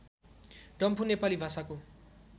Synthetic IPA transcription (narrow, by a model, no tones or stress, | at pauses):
ɖʌmpʰunepalibʱasako